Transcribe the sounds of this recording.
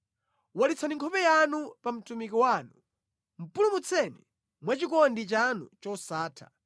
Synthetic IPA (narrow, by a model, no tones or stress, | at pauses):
walit͡sʰaniŋkʰɔpɛjanupam̩tumikiwanu | m̩pulumut͡sʰɛni | mwat͡ʃikɔndit͡ʃanṵt͡ʃɔsaːtʰḁ̰